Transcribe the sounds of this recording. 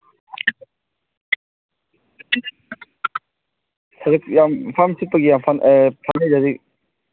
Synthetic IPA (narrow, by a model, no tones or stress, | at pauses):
sɐɾɯk̚jampʰamsit̚pːɐɡijampʰanpʰanizazi